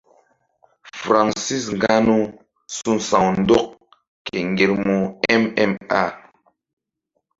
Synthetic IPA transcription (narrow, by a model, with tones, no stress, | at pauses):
fɾa˨ŋsi˦˨s̬ŋ˨ɡa˦nu˦ | su˦nsa˨ŋn̩˦dɔ˦k̚ | ke˨ŋ˨ɡe˨ɾmo˨ɛ˦mɛ˦ma̰˦˨